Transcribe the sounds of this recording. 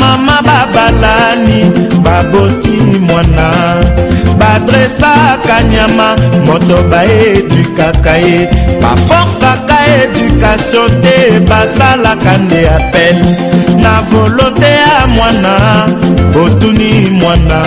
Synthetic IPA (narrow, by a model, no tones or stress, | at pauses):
mamababalanibabotimwanabadʁesakaɲamamɔtɔbaeedykakaeba̰fɔʁsakaedykasjɔ̃tebasalakandeapɛlnavolõteamwanabotunimwana